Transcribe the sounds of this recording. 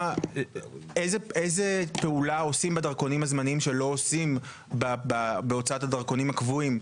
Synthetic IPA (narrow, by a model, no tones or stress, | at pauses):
a | ezeezepe̞ulao̞simbedaʁko̞nimhazmanimʃe̞lo̞osim | bababeo̞t͡saatadɐʁko̞nimakvuim